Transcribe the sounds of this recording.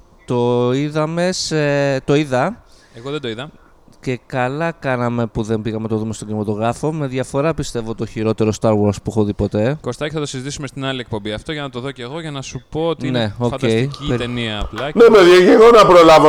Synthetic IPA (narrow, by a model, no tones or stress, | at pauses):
t̪o̞iðɐme̞set̪o̞iðɐ | eɣoðed̪oiðɐ | ce̞kɐlɐkɐnɐme̞puðe̞mbiɣɐme̞t̪oðumst̪oɟinimɐt̪o̞ɣɾɐfo̞me̞ðʝɐfo̞ɾɐpist̪e̞vo̞t̪o̞çiɾo̞t̪e̞ɾo̞st̪ɐɾwoɾspuxoðipo̞t̪e̞ko̞st̪ɐceθɐt̪o̞sizit̪isume̞st̪inɐlie̞k̚po̞mbiɐft̪o̞ʝɐnɐt̪o̞ðo̞ceɣo̞ʝɐnɐsupo̞ːt̪ine̞ofɐcdɐesiit̪eniɐːplɐnemeðʝɐʝeɣo̞nɐpɾolɐvo